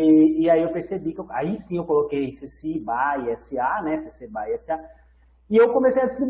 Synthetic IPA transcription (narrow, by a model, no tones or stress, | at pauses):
aiewpeɾsebikaisĩewkolokejsesibaiɛsianɛsesebaiɛsia | iewkomesejɐd̪ist̪ɾib